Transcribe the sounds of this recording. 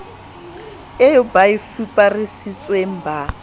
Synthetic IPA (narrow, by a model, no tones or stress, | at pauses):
ejɔbaifipʼarɪsit͡sʼwem̩ba